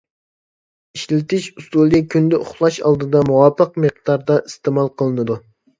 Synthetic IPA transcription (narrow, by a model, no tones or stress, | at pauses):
iʃlɪt̪ɪʃust̪ulˠikʲʰynd̪ɛʔʊ̰χlˠɑʃɑ̰lˠd̪ɨd̪ɑmuwɑpʰəq̚meq̚d̪ɑɾd̪ɑʔist̪emɑlˠqʰəlˠɨnɨd̪u